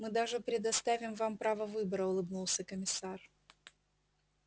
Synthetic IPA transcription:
mɨd̪aʐɨpɾʲɪd̪ɐst̪avʲɪmvampɾavəvɨbəɾəʊlˠɨbnulˠsʲəkəmʲɪsar

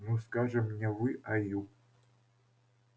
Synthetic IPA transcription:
nuskɑʐɘmnʲevɨʔaju

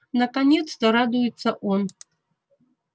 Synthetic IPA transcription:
nɐkanʲɛt̪st̪ɐɾad̪ujɪt̪sɐʔon

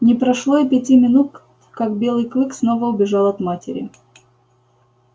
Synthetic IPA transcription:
nʲɪpɾɐʂlˠoipʲɪtʲimʲɪnut̪ | kakbʲe̞lˠɨjklˠɨksno̞vəʊbʲɪʐɑlˠɐt̪matʲɪ̰ɾʲɪ̰

